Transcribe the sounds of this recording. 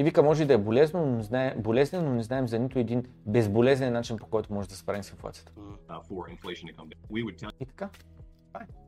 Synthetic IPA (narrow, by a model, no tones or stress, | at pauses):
ivikəmɔʒɛid̪ɐɛbolɛznononɛznaɛbolɛznɛnːonɛznaɛmzɐnit̪ʊɛd̪in | bɛzbolɛzɛnːat͡ʃinpo̥kɔjt̪ʊmɔʒɛd̪ɐspɾavisɪnflˠa̰t̪sijə̥t̪ə̥fə˞ɪ̃nfleɪʃn̩tɨkʰʌ̃mwiwɨd̚tʰɛit̪ɐ̥ka | faj